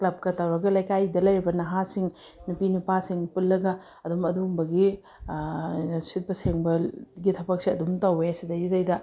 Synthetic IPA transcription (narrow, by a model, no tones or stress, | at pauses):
klɐb̚kɐtɐwɾɐɡɐlɐjkajdɐlɐjɾibɐnɐɦasiŋ | nupinupasiŋpulːɐɡɐ | ɐdumɐdumbɐɡi | sʰit̚pɐseŋbɐlɡitʰɐbɐk̚siɐdumtɐweɐsidɐjitɐjdɐ